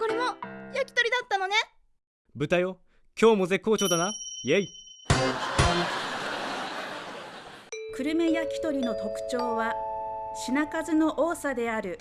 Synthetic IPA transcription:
ko̞ɾe̞mojakʲi̥t̪o̞ɾʲid̪at̪ːano̞ne | bɯ̟t̪ajo | kʲo̞ːmo̞ze̞ko̞ːt͡ɕo̞ːd̪anajei | kɯ̟ɾɯ̟me̞jakʲi̥t̪o̞ɾʲino̞t̪o̞kɯ̟̥t͡ɕo̞ːβaɕinakazɨno̞ʔoːsad̪e̞aɾɯ̟

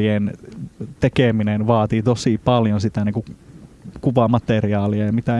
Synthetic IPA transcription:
ient̪ekeminenʋɑːt̪iːt̪osipɑljonsit̪æniːŋku | kuʋɑmɑt̪eriɑːliɑjɑmit̪æ

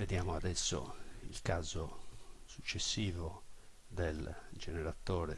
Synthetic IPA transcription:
ved̪jaːmoad̪ɛsːo̰ḭlkaːzosut͡ʃːesːiːvo | d̪eld͡ʒɛneɾat̪oːɾɛ

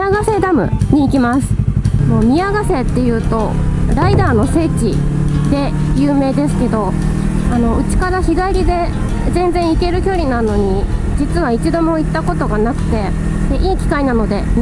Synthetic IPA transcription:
aɡase̞d̪amɯ̟̰ɲ̟iːkʲimasɨ̥mo̞ːmʲiaɡase̞t̪ːe̞jɯ̟ːt̪o̞ | ɾaid̪aːno̞se̞ːt͡ɕi | d̪e̞ | jɯ̟ːme̞ːd̪e̞sɨ̥ke̞d̪o̞ | ano̞ɯ̟t͡ɕi̥kad̪açiɡaiɾʲid̪e̞ | zẽ̞nd͡zẽ̞ɰ̃ike̞ɾɯ̟kʲo̞ɾʲinãnːo̞ɲ̟i | d͡ʑit͡sɨβait͡ɕid̪o̞mo̞it̪ːako̞t̪o̞ɡanakɯ̟̥t̪e̞ | d̪̥e̞ʔiːkʲi̥kainano̞d̪e̞

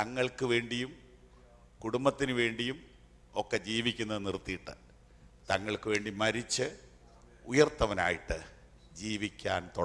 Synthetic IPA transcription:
t̪ɐŋːɐɭkɨʋe̞ːɳɖijum | kuɽumbɐt̪ːinɨʋe̞ːɳɖijum | o̞kːe̞d͡ʑiːʋikʲːunːɐðɨnirt̪ːijiʈːɨ̰ | t̪ɐŋːɐɭkɨʋe̞ːɳɖimɐɾit͡ɕːɨ | ujɐrt̪ːɐʋɐnaːjiʈːɨ | d͡ʑiːʋikʲːaːnt̪o

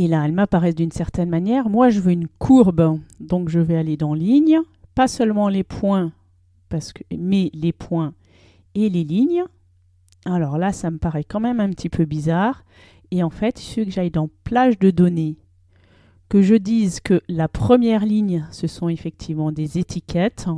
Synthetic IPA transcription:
elaɛlmapaʁɛsd̪ynsɛʁt̪ɛnmanjɛʁmwaʒəvøynkʰuʁbd̪ɔ̃kʒəvɛaled̪ɑ̃liɲ | pasœlmɑ̃lepʰwɛ̃ | paʁsə̥kəmɛlepʰwɛ̃ | eleliɲ | alɔʁlasaməpaʁɛkɑ̃mɛmɛ̃pət̪ipʰøbizaʁ | eɑ̃fɛt̪sføkəʒajd̪ɑ̃plaʒd̪əd̪ɔne | kəʒəd̪izkəlapχəmjɛʁliɲsəsɔ̃efɛk̚t̪ʰivmɑ̃d̪ezet̪ʰikʲʰɛt̪

